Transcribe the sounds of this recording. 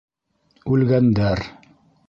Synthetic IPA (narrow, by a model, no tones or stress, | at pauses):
ʉlɡænd̪æɾ